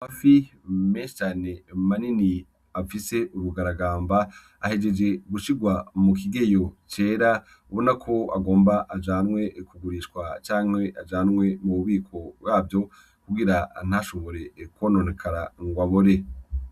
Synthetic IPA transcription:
amafimeːnʃe̥t͡ʃaːne̞manini | afise̞ʔuɾuɡaɾaɡaːmba | ahe̞d͡ʒe̞d͡ʒe̞ɡuʃiɡwamuk̬iɡe̞jo̞t͡ʃe̞ːɾa | βonakʰo̞a̰ɡo̞ːmbaʔad͡ʒaːnŋwe̞kuɡuɾiʃkwat͡ʃaːŋ̥he̞ad͡ʒaːnŋwe̞muβuβiːkʰo̞bwaːbjo̞ | kuɡiɾan̥haʃuːŋɡoɾe̞kwono̞nekʰaɾaŋɡwaβoɾe̞

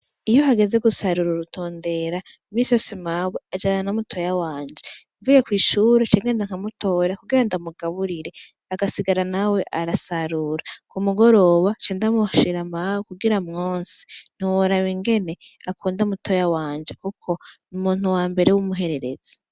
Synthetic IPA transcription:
ijoɦaɡe̞zeɡusaɾuɾuɾutʰo̞ːnde̞ɾa | imiːnsijoːsemawead͡ʒananamutʰo̞jawaːɲd͡ʒe | ɱvujekwiːʃuːɾet͡ʃeːŋɡe̞ːndaŋ̥hamutʰo̞ɾakuɡiɾandamuɡaβuɾiɾe̞ | aɡasiɡaɾanawe̞ʔaɾasaɾuɾakumuɡo̞ɾo̞βat͡ʃeːndamuʃiɾamawokuɡiɾamŋoːnsi̥n̥iwoɾaβiŋɡe̞ne̞ | akuːndaumutʰo̞jawaːɲd͡ʒekukʰo̞numuːn̥uwaːmbe̞ɾe̞wumuɦe̞ɾe̞ɾe̞̰z̥e̥

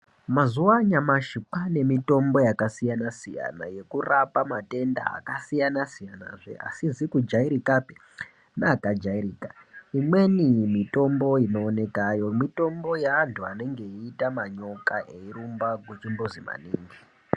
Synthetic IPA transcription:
mazuwaɲamaʃipane̞mito̞mbo̞jakasijanasija̰na̰je̞kurapamate̞nda̰a̰kasijanasijana̰ʐḛa̰sizikud͡ʒaiɾikape | nakad͡ʒaiɾiːkaimwe̞nimito̞mbo̞ino̞ːne̞kajo̞mito̞mbo̞jaːntʰuane̞ŋɡe̞iːtamaɲo̞kaʔe̞iɾumbaɡʱwet͡ʃimbozima̰niːŋɡi

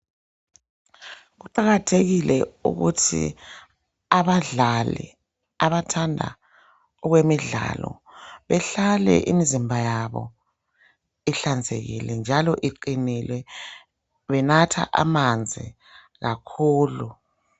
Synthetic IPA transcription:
ɣuǃaɣatʰeɣilɛṵɣṵtʰḭ | aβaɮalɛ̰ | aβatʰandʱa̰ | ɔɣwemiɮa̰lɔ̰ | βɛɬalɛ̰ʔimizimbʱajaβɔ̰ | iɬand͡zʱḛɣḭlɛnd͡ʒʱalɔʔiǃinilwɛ | βɛnatʰa̰ʔa̰mand͡zʱi | ɣakʰuːlu

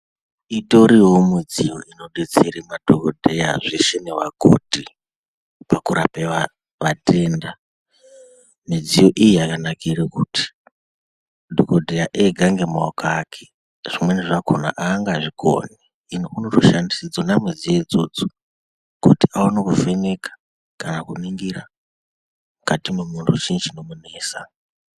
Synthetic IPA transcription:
ito̞ɾiwomid͡zijo̞ʔino̞ɗet͡seɾemadʱokodʱeja̰ʐeʃenewaɡʱo̰dʱi | pakuɾapeʋa | ʋatʰeːnda | mid͡zijo̞ʔijiakanakʰirikuti̥ | dʱokodʱejaʔeɡʱaŋɡemaokaːkʰe̥ | ʐ̥imwe̞niʐakʰona̰ʔaːŋɡaʐiɡo̰ni | inounoroʃandisid͡zonamizijed͡zod͡zo̥ | kutiaonokufenekḁ | kanakuniŋɡiɾa | mukatimumuntʰut͡ʃint͡ʃinomuneːsa̰

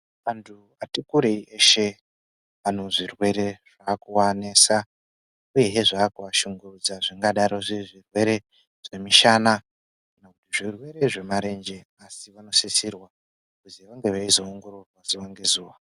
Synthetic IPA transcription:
ʋantʰu | atikuɾeiʔeʃe̞ | ʋan̤uʐirwe̞ɾe̞ʐ̥aːkuwaneːsa | uje̞ɦeʐaːkuʋaʃuŋɡurud͡zaʐiŋɡaɗaɾo̞ʐiʐirwe̞ɾe̞ | ʐ̥e̞miʃana | kanakutiʐirwe̞ɾe̞ʐe̞maɾe̞nd͡ʒe̞ | asiʋano̞sesirwa | kuziʋaŋɡe̞ʋaizo̞ːŋɡo̞ɾurwaziʋaŋɡe̞zuːʋa

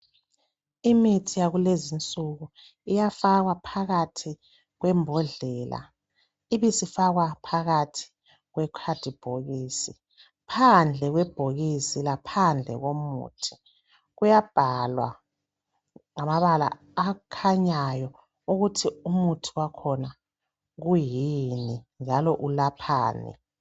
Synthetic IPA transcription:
imitʰijaɣulezint͡sʼuɣu | ijafaɣwapʰaɣatʰi | ɣwɛmbʱɔɮɛːla̰ | iβisifaɣwapʰaɣatʰi̥ | ɣwɛkʰad̥ʱib̥ʱoɣiːsi | pʰand͡ɮʱɛɣwɛb̥ʱoɣisilapʰand͡ɮʱɛ̰ɣomṵːtʰi̥ | ɣujab̥ʱalwa̰ | ŋamaβala̰ː | kʰaɲajɔ | uɣutʰiumutʰi̥wakʰɔna | ɣujinind͡ʒʱalɔʔulapʰa̰ːnɛ̰

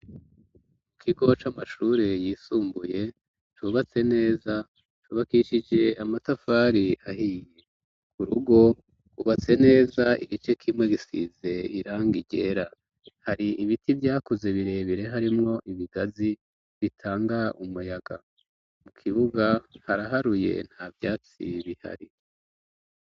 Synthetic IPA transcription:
mukʰiɡo̞t͡ʃamaʃuːɾejiːsuːmbuje̞ | t͡ʃuβat͡se̞ne̞ːza | t͡ʃuβakiʃid͡ʒe̞amatafaːɾiaɦiːje̞ | kuɾuɡo̞ | uβat͡se̞ne̞ːzaḭɡit͡ʃe̞kʰimwe̞ɡisḭze̞iɾaːŋɡiɟe̞ːɾa | haɾiiβitʰivjaːkuze̞βiɾe̞βiɾe̞ɦaɾimŋo̞ʔiβiɡazi | βitʰaːŋɡaumujaɡa | mukʰiβuɡahaɾaɦaɾuje̞̰n̥havjaːt͡sḭβiha̰ɾi

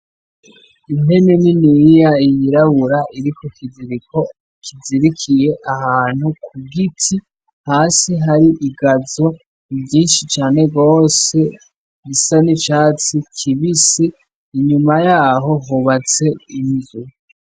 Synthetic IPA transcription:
inhe̞neninijaijiɾaβuɾaʔiɾikokʰiziɾiko̞ | ikʰiziɾikʰije̞ʔahaːn̥hukʰuɡitʰi | haːsiɦaɾiʔiɡazo̞ | ibɟiːnʃit͡ʃaːne̞ɡo̞ːse̞ | ɡisanit͡ʃaːt͡sikʰiβisiː | ɲumajaːɦo̞ɦuβat͡se̞inzu

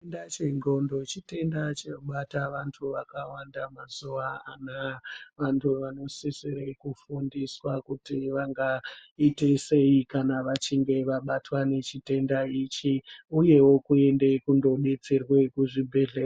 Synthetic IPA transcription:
ndat͡ʃeŋɡo̞ndo̞t͡ʃite̞ndat͡ʃeɓataʋantʰuʋakawandamazuaanaʋantʰuʋano̞seseɾekufundiswakutiʋaŋɡaitese̞ikanaʋat͡ʃiŋɡe̞ʋaɓatwane̞t͡ʃite̞ndait͡ʃiuje̞wo̞kue̞nde̞kundo̞ɓe̞t͡serwekuʐibʱeɮeːra

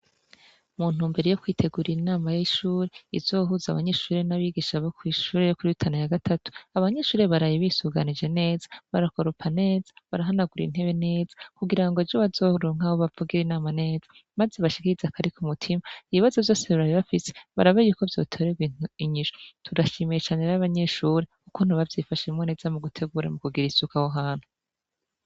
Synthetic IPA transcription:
mun̥uːmbe̞ɾe̞jokwiːtʰe̞ɡuɾinaːmajiʃuːɾeizo̞ːɦuza̰βaɲe̞ʃuːɾenaβiɡiʃaβokwiʃuːɾejokuɾiitʰanujaɡatʰatu̥aβaɲe̞ʃuːɾe̞βaɾajiβisuɡanid͡ʒe̞ne̞ːzḁβaɾako̞ɾupʰane̞ːzḁβaɾaɦanaɡuɾḭn̥he̞βe̞ne̞ːzḁkuɡiɾaŋɡo̞vjoβazo̞ɾoːŋ̥ahoβavuɡiɾinaːmane̞ːzḁ | maze̞βaʃi̥kiɾizakʰaɾikumutʰimaiβiβazo̞vjo̞ːse̞βiɾajiβafise̥βa̰ɾaβajuko̞vjo̞ːtʰo̞ːɾeɡiɲiʃotudaʃimijet͡ʃaːne̞ɾaβaɲe̞ʃuːɾekukun̥uβavjifaʃemŋone̞ːzamuɡutʰe̞ɡuɾa̰mukuɡiɾisukahoɦaːn̥hu

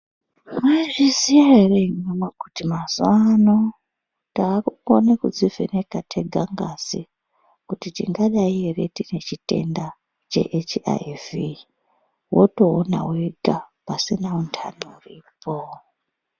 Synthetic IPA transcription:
mweʐizijaɦere̞nomwekutimazuwano | taːkuonekud͡zivʱḛne̞katʰe̞ɡʱaŋɡasi | kutitḭŋɡaɗaiɦeretine̞t͡ʃite̞̰nda | t͡ʃe̞̰ʔet͡ʃa̰ivi | woto̞ːna̰weɡʱapasinauntʰa̰nouriːpʰo

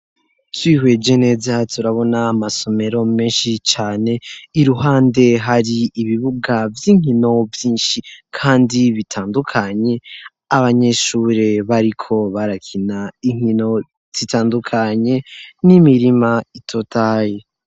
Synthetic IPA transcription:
twiːhwe̞d͡ʒe̞ne̞ːzatʰuɾaβo̞naːmaso̞me̞ɾo̞meːnʃit͡ʃaːne̞iɾuɦaːnde̞ɦaɾiːβiβuɡavjiːŋ̥ino̞vjiːnʃikʰaːndiβitʰaːndukʰaɲe̞ | aβaɲe̞ʃuːɾe̞βaɾikʰo̞βaɾakʰinaiŋ̥ino̞ | z̥itaːndukʰaɲe̞nimiɾimaitʰo̞tʰaːje

